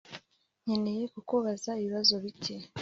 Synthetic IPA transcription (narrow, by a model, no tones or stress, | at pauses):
ɲene̞je̞kukuβazaiβiβazo̞βice